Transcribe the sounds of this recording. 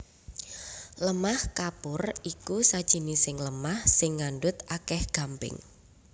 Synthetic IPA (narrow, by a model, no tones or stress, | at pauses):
ləmahkapʊrikusad̥ʒ̥i̤nisɪŋləmahsɪŋːanɖʊt̪akɛhɡ̥a̤mpɪ̰ŋ